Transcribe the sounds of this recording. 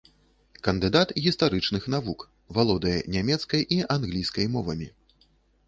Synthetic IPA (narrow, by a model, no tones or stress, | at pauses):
kɐnd̪ɨd̪at̪ɣʲist̪aɾɨt͡ʂnɨxn̪avuk | valˠɔd̪ɐjɛ̰nʲamʲɛt̪skɐjʔiʔanɣlʲijskɐjmɔvɐmʲi